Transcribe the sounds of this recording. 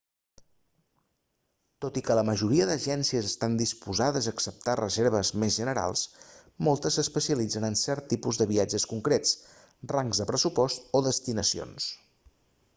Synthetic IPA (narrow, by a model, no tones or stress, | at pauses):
t̪ot̪ikələməʒuɾiəðəʒɛnsiəzəst̪and̪ispuzaðəzəːksəp̚t̪arəzeɾβ̞əzmezʒənəɾa̰lˠs | molˠt̪əsəspəsiəlid͡zənənsɛɾt̪ːipuzðəβiad͡ʒəskuŋkɾet͡s | raŋɡzðəpɾəsupɔst̪oðəst̪inəsio̰ns